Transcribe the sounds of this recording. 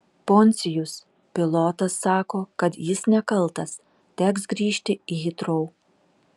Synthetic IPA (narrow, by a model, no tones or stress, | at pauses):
poːnʲsʲɪjʊs | pʲɪlˠɔːt̪ɐsːɑːkoːkɐt̪jɪsnʲɛkɐlˠt̪ɐs | t̪ʲæːksɡɾʲiːʃʲt̪ʲɪijɪt̪ɾɔʊ